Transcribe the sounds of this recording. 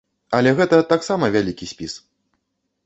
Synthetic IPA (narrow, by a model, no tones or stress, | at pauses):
ɐlʲɛɣɛt̪ɐt̪aksamɐvʲalʲikʲisʲpʲis